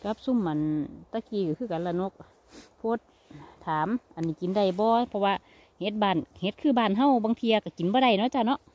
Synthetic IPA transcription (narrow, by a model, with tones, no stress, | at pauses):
ka˧˦p̚su˧˨mːa˨nt̪a˧kiː˧˩ka˧˩kʰɯː˧˩ka˨nla˧no˧k̚ | pʰoː˧˦t̪̚ʰː | aː˨˦mʔa˨nːiː˧˩ki˨˦nda˧˩jbɔː˧pʰɔ˧waː˧ | he˧˦t̪̚baː˧˩nhe˧˦t̪̚kʰɯː˧˩˨baː˧˩˨nɦa˧˥˨wbaː˧˨ŋt̪ʰiː˧a˧ka˧˩ki˨˦nbɔː˧ɾa˧˩jnɔ˧˥˨t͡ɕa˧˩nɔ˧˥ʔ